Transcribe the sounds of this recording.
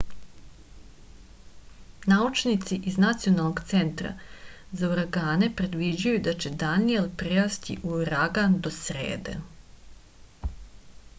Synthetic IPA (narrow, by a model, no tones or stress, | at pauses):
naut͡ʃnit̪siʔiznat̪sijo̞nalnoɡt̪se̞nt̪ɾa̰ | zauɾaɡaːne̞pɾe̞d̪ʋid͡ʑujud̪at͡ɕe̞d̪anijelpɾeast̪ḭʔuɾaɡand̪o̞sɾḛːd̪ḛ